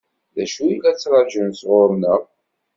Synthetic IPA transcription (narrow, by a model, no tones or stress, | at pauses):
ðæʃuilæt͡sːɾˤɑʒənsʁoɾˤnəɾˤ